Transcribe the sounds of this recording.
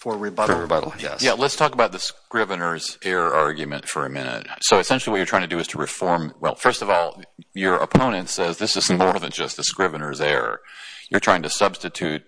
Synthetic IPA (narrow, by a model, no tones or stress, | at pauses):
fə˞ɹibʌɾl̩ˠɹibʌɾl̩ˠjɛ̰jælətstʰɔkəbaʊt̪̚ðɨskɹɪvɨ̃nə˞zɛɹɑɹɡjʉmɨ̰̃ntfə˞ɨmɪ̰̃nɨ̰t̚soʊɨsɛ̃nʃl̩ˠiwʌt͡ʃətʰɹ̥aɪ̃ŋtʰɨdɨɨz̥tʰəɹɨfɔɹmwɛ̰lˠfɜ˞stʌvɔlˠjə˞ʔə̰pʰõʊ̃ñɨ̃ntsɛzðɪsɨzmɔɹðɨ̃nd͡ʒʌst̪̚ðɨskɹɪvɨnə˞zɛɹ̰jə˞tʰɹ̥aɪɪ̃ŋtʰɨsʌb̥stɨtʰʉt̚